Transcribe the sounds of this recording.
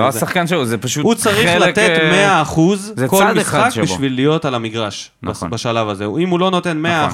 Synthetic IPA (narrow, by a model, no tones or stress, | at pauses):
oasaχkanʃeluzepaʃuut͡saʁiχlat̪et̪mme̞aːχuzzekoldmisχakʃbiʃvilːijo̞talamiɡʁaʃ | n̰baʃalavazeimulo̞no̞t̪e̞nmea